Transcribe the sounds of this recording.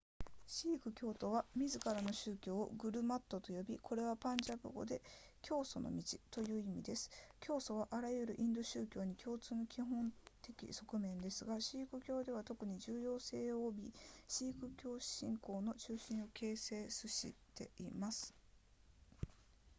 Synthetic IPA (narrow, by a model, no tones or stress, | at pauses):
ɕiːkɯ̟kʲo̞ːt̪o̞βamʲizɨkaɾano̞ɕɨːkʲo̞̰ːɡɯ̟ɾɯ̟mat̪ːo̞t̪o̞jo̞bʲikʰo̞ɾe̞β̞apãɲ̟d͡ʑabɯ̰ɡo̞̰d̪e̞kʲʰo̞ːso̞no̞̰mʲit͡ɕit̪o̞jɯ̟ːimʲid̪e̞sɨ̥kʲo̞ːso̞β̞aʔaɾajɯ̟ɾɯ̟ʔĩnd̪o̞ɕɨːkʲo̞ːɲ̟ikʲʰo̞ːt͡sɨːno̞kʲiɦõ̞nt̪e̞kʲḭso̞kɯ̟mẽ̞nd̪e̞sɨɡaɕiːkɯ̟kʲo̞ːd̪e̞β̞at̪o̞kɯ̟ɲ̟iʑɨːjo̞ːse̞ːoːbʲiɕiːkɯ̟kʲo̞ːɕĩŋko̞ːno̞t͡ɕɨːɕĩɰ̃o̞kʰe̞ːse̞ːsɨɕḭt̪e̞imasɨ̥